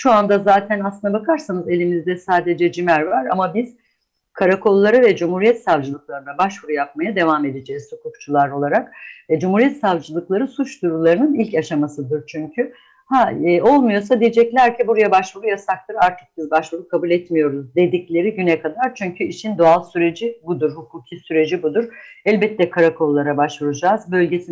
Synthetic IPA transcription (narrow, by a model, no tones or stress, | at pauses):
ʃuand̪azaːt̪ʰænaslˠɯnd̪abakʰaɾsanɯze̞lʲimizd̪ɛsaːd̪e̞d͡ʒɛd͡ʒimæɾvaɾa̰mabiz̥ | kʰaɾakʰo̞lˠːaɾɯvɛd͡ʒumhuɾijɛt̪savd͡ʒɯlˠɯklˠaɾɯnabaʃvuɾujap̚majad̪e̞vaːme̞d̪ed͡ʒɛːzsokʰuk̚t͡ʃʰulˠaɾo̞lˠaɾakvɛd͡ʒumhuɾijɛt̪savd͡ʒɯlˠɯklˠaɾɯsut͡ʃd̪uɾulˠaɾɯnɯnilʲcaʃamasɯd̪ɯɾt͡ʃʰyɲcʰy | hao̞lˠmujo̞sad̪ijed͡ʒɛclʲæɾcʰibuɾajabaʃvuɾujasak̚t̪ˠɯɾaɾt̪ʰɯ̥k̚sɯzbaʃvuɾukʰabulʲɛt̪mijo̞ɾuzd̪e̞d̪iclʲe̞ɾiɟynɛkʰad̪aɾt͡ʃʰyɲcʰyiʃind̪o̞alˠsyɾe̞d͡ʒibud̪uɾhukʰuːcʰisyɾe̞d͡ʒibud̪uɾɛlʲbɛt̪ʰːɛkʰaɾakʰo̞lˠːaɾabaʃvuɾud͡ʒaːzbø̞lʲɟe̞si